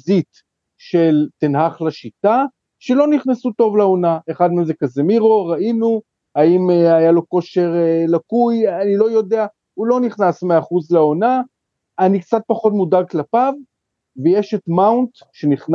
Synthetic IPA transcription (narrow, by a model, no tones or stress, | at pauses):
zit̪ | ʃelt̪inɦaχlaʃita | ʃe̞lo̞niχnesut̪o̞vlaonaeχadmemzekazemiʁoʁainu | aimajalo̞ko̞ʃe̞ʁlakujanilo̞jo̞d̪ea | ulo̞niχnasmeaaχuzlao̞na | anikt͡sat̪̚paχo̞t̪mudaɡ̚klapav | vejeʃet̪mawnt̪ | ʃeniχn